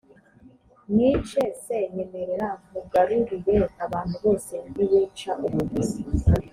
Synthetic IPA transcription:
nit͡ʃeseɲemeɾeɾamuɡaɾuɾiɾeaβaːnhuβo̞ːse̞niβiːt͡ʃaʔuβuβuzi

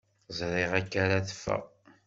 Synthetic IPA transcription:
zˤɾˤɪʁækːaɾaθə̥fːæ̰

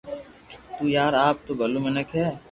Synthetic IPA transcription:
t̪uːjaːɾaːp̚t̪obʱɐlumɐnəkɦɛː

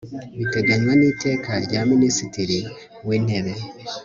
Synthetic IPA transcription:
βiteɡaɲwaniːte̞ːkaɾɟaminisitiɾi | wiːn̥eβe

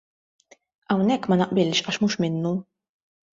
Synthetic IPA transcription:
ɐwnɛkːmɐnɐʔbɪlʃɐʃmuːʃmɪnːu

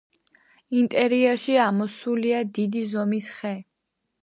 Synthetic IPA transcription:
int̪ʼɛɾiɛɾʃiamɔsuliad̪id̪izɔmisχɛ

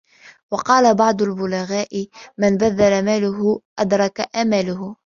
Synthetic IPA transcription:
wɑqɑːlabɑʕd̪ˤʊlbʊlaɣaːʔɪmɪnbaðːalamaːlʊɦʊʔad̪ɾˤɑkaʔamaːlʊhʊ

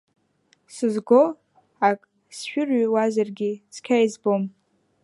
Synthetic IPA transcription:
sɨzɡo | akʼ | sʃᶣʊrɥwazarɡʲiskʲʰajzbom

